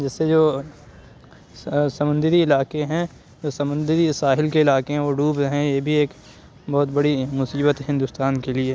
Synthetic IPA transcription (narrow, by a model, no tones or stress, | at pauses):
d͡ʒɛːsːed͡ʒoː | sɐmə̃nd̪ɪɾiɪlaːkeɦɛ̃ | d͡ʒoːsɐmə̃nd̪ɪɾisaːɦɪlkeɪlaːkeɦɛ̃ʋoːɖuːbɦɛ̃jebʱieːk | bɔːʊt̪bɐɽimʊsiːbət̪ɦɪ̃nd̪ʊst̪aːnkelie